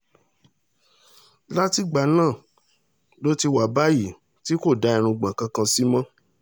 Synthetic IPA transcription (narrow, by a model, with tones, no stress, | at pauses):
la˦ti˦ɡ͡ba˨nãː˦˨ | lo˦ti˧wa˨ba˦ji˦˨ | ti˦ko˦˨da˨˦i˨˧ɾ̃ũ˧ɡ͡bã˨kã˧kã˧si˦mã˦